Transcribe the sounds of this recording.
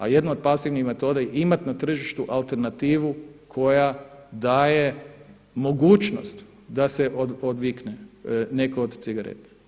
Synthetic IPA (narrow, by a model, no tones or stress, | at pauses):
a̰je̞d̪naod̪̚pasiʋnixme̞t̪o̞d̪ajeimat̪nat̪r̩ʒiʃt̪uʔalˠt̪e̞ɾnat̪iːʋukʰo̞jad̪aːje | mo̞ɡuːt͡ʃno̰st̪ | d̪aseʔood̪ʋiknene̞kood̪t̪siɡaɾḛt̪e̥